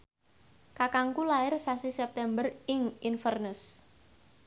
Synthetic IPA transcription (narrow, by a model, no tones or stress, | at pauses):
kakaŋkulaɪrsasisɛp̚t̪ɛmbərɪŋinfərnəs